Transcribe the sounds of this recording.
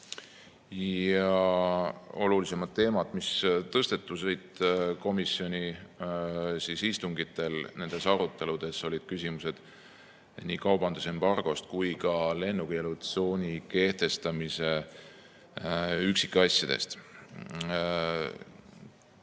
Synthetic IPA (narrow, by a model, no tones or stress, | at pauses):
jɑ | o̞̰lulise̞mɑd̪̥ːe̞ːmɑd̪mist̪ɤst̪e̞t̪ːˑusɤjd̪̚ko̞misio̞nʲi | sisist̪uŋɡit̪ːˑe̞lne̞nd̪̥e̞sɑɾut̪ːˑe̞lud̪̥e̞so̞lʲid̪̥kysʲimuse̞d̪̥ | niːkɑwbɑnd̪̥use̞mbɑrɡ̥o̞st̪̚kujkɑle̞nːuɡ̥elut̪so̞ːnʲike̞ht̪e̞st̪ɑmise̞ | yksikːɑsʲjɑd̪̥e̞̰st̪